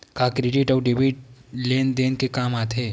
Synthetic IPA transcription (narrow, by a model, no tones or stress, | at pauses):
kaːkɾeɖɪʈɔːɖɪʋiʈleːnd̪eːnkekaːmaːt̪ʰɦeː